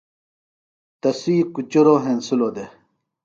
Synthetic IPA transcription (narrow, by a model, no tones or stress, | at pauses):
t̪ɐsiːkut͡ɕuɾoːɦensulod̪e